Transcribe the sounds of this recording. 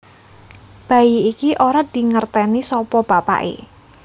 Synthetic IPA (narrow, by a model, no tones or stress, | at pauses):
b̥a̤jiikiʔoɾad̪̥i̤ŋərt̪ɛnisɔpɔb̥apa̰ʔḛ